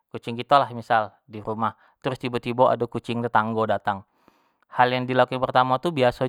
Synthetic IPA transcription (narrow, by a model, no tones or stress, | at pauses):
kut͡ʃɪŋkit̪alahmisal | diɾumah | t̪əɾʊst̪ibot̪iboʔa̰dakut͡ʃɪŋt̪ət̪aŋɡodat̪aŋ | haljaŋdilakaŋpərt̪amat̪ubiasa